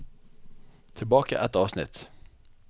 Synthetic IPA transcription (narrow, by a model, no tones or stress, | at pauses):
t̪ʰɪlbɑːka̰ʔɛt̪ɑːvsnɪ̰t̪